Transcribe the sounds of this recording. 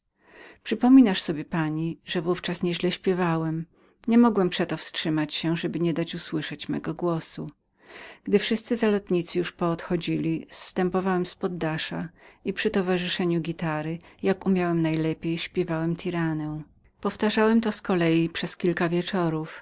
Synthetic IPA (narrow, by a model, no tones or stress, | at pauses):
pʂɘpɔmʲinaʂsɔbʲjɛpaɲiʐɛvuft͡ʂasɲɛʑlɛɕpʲjɛvawɛm | ɲɛmɔɡwɛmpʂɛt̪ɔfstʂɘmat͡ɕɕɛʐɛbɘɲɛd̪at͡ɕuswɘʂɛt͡ɕmɛ̰ɡɔɡwɔsu | ɡd̪ɘfʂɘst̪sɘzalɔt̪ɲit̪sɘjuʂpɔːt̪xɔd͡ʑilʲist̪ɛmpɔvawɛmspɔd̪ːaʂaipʂɘt̪ɔvaʐɘʂɛɲuɡʲit̪aɾɘjakumʲjawɛmnajlɛpʲjejɕpʲjɛvawɛmt̪ʰʲiɾanɛw̃ | pɔft̪aʐawɛmt̪ɔskɔlɛjipʂɛskʲilkavʲjɛt͡ʂɔɾuf